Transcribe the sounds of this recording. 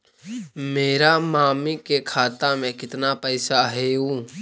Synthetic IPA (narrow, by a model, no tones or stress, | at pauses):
meːɾamaːmikekʰaːt̪amẽkɪt̪napəɪsaɦeũː